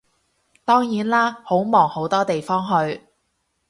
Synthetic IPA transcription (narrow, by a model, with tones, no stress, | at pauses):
t̪ɔː˥ŋjiː˨˥nlaː˥ho˨˥wmɔː˨˩ŋho˨˥wt̪ɔː˥t̪e˨jfɔː˥ŋɦɵ˧ɥ